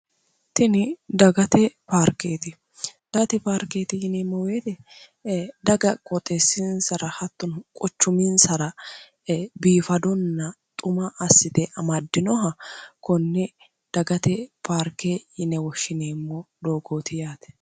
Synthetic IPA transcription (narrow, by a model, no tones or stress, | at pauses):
t̪ɪnɪd̪ɐɡɐt̪ɛpaɾkeːt̪ɪ | d̪̥ɐt̪ɛpaːɾkeːt̪ɪhɪneːmːɔweːt̪ɛ | d̪ɐɡɐkʼɔt̪ʼɛsːɪnsɐɾɐhɐt̪ːɔnkʼɔt͡ʃːʊmɪnsɐɾɐ | biːfɐd̪ɔnːɐt̪ʼʊmɐʔːsːɪt̪ɛʔɐmɐd̪ːɪnɔɦɐkɔnːɛ | d̪̥ɐɡɐt̪ɛpʰaːɾkːejɪnɛwɔʃːɪneːmːɔd̪oːɡoːt̪ɪjaːt̪ɛ̥